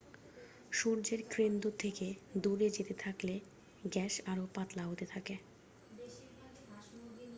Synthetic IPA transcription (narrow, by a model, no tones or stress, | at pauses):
ʃuɾd͡ʑeɾkɾend̪ot̪ʰːeked̪uɾed͡ʑet̪et̪ʰakle | ɡɛʃaɾopat̪laɦot̪et̪ʰake